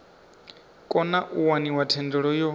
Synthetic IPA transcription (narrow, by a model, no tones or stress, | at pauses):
kʼɔnaʔuwaniwatʰɛndɔɺɔjɔ